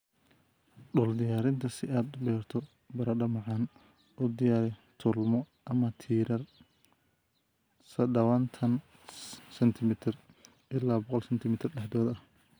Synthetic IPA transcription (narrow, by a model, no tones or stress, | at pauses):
ɖɔːld̪ɪjaːɾɪnt̪ʰɐsɪaːd̪ʊbɛːrt̪ʰɔ | bɐɾɐɖɐmɐʕɑːn | ɔd̪ɪjaːɾɛt̪ʰʊlmɔ | ʔɐmɐt̪ʰiːɾɐr | sɐd̪ɐwɐnt̪ʰɐn | sɛnt̪ʰɪmɪt̪ʰɪr | ʔɪlːaːbɔqɔlsɛnt̪ʰɪmɪt̪ʰɪrɖɛħd̪ɔːðɐh